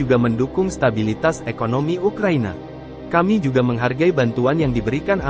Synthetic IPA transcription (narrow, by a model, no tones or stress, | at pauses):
uɡaməndukʊŋst̪abilit̪asekonomiukɾaina̰ | kamid͡ʒuɡaməŋɦarɡaibant̪uanjaŋdibəɾikana